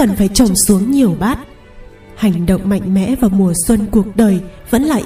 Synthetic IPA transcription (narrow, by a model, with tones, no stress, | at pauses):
ə˨˩nfaː˧˩jt͡ɕə˨˩wŋ͡msu˨˦əŋɲi˨˩əwɓaː˦˥t̚ | ha˨˩jŋ̟ɗə̰˧˨wŋ͡mma̰˧˨jŋ̟mɛ̰˧˥vaː˨˩wmu˨˩əswə˧nku˨˩ək̚ɗəː˨˩jvə̰˧˥nlaː˨˩